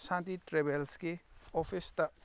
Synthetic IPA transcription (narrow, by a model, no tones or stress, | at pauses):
sãnt̪iʈɾebelskeopʰist̪ɐ